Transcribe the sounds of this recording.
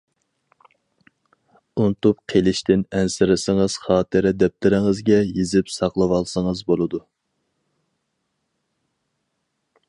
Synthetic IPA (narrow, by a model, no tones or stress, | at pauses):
unt̪upqʰelɪʃt̪ʰɪnɛnsɪɾɪsɪŋəz̥χɑːt̪ʰɨɾɪd̪ɛp̚t̪ʰɪɾɪŋɨzɡʲɛjezɪpsɑqlˠɨwɑlˠsɨŋəzbolˠɨd̪u